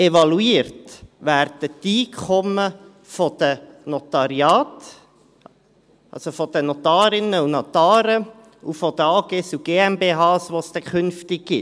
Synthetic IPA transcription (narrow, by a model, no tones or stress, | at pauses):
ɛvɑluiːrtʋæːrdətiːkʰχɔmə | fɔd̪̥ənɔt̪ɑɾiɑːt | ʔɑ̰lsofɔd̥ənɔt̪ɑːɾɪnəunot̪ɑːɾə | ufɔd̥̪əɑːɡ̥esuɡ̥eːɛmbeːɦɑːsʋost̪ɛkʰʏnftɪk̚ɡ̥ɪ